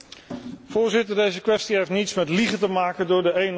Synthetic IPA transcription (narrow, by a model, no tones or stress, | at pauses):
v̥ʊːɹzɪtəɹdejzəkʋɛstiɦejftnitsmɛtliχətəmaːkəndʊːɹdəejn